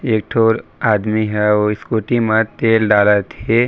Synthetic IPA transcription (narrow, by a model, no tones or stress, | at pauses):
eːk̚ʈʰoːɾaːd̪miɦɛoːɪskoːʈimãt̪eːlɖaːlat̪ɦe